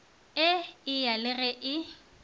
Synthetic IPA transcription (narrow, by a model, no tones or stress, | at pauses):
ɪɪjalɪrɛʔɪ